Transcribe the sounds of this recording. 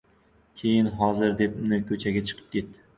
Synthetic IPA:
kʲʰejɪnɦɒzɪɾd̪e̞p̚mnɪkʲʰɵt͡ʃʰaɡʲat͡ʃʰɨ̥qʰɨ̥p̚kʲʰet̪ːɪ

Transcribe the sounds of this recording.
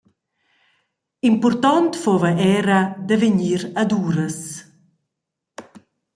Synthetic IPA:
impuɾt̪ɔnt̪fovɐʔɛɾad̪əveɲiːɾad̪uːɾəs

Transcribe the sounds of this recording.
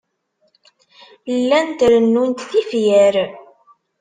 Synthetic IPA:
lːænt̪ɾənːunt̪θifjəɾ

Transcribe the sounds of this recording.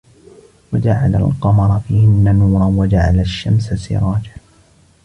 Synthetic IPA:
wad͡ʒaʕala̰lqɑmɑɾˤɑfiːhɪnːanuːɾˤɑnwad͡ʒaʕa̰laʃːamsasɪ̰ɾˤɑːd͡ʒa

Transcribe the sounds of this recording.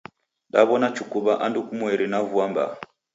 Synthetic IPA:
ɗaβɔnat͡ʃukuβaʔandukumwɛɾinavuamba̰

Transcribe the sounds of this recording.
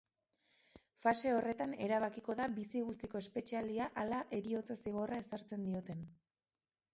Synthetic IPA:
fase̞o̞re̞t̪ane̞ɾaβakiko̞ðabisiɣust̪iko̞e̞spe̞t͡ʃiald̪iaʔalaʔe̞ɾio̞t͡sasiɣ̞o̞rae̞saɾt͡se̞nd̪io̞t̪e̞n

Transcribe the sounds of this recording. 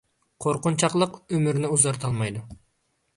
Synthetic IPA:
qʰoɾqʊnt͡ʃʰɑqlˠəqømyɾnɪuzɑɾt̪ʰɑlˠmɑjd̪u

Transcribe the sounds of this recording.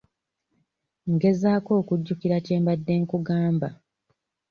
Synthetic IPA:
ŋɡe̞zaːko̞ːkuɟːukiɾace̞ːmbadːe̞ːŋkuɡaːmba

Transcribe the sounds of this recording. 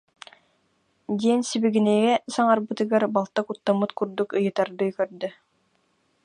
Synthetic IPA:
d̪iɛnsibiɡinɛɡɛsaŋaɾbɯt̪ɯɡaɾbalˠt̪akut̪ːamɯt̪kuɾd̪ukɯjɯt̪aɾd̪ɯjkœɾd̪œ

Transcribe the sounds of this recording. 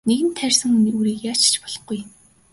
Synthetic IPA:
neɣɘ̆nt̪ʰærʲsə̆ŋunɾuːɾiːkjaːt͡ɕt͡ɕpɔ̥ɮ̥ɞ̆χɡuj

